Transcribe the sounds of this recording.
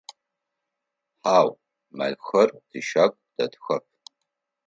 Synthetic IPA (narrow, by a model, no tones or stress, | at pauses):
ħaw | ma̰jxɐrd̥iʃakʷʼd̥adxɐp̚ʰ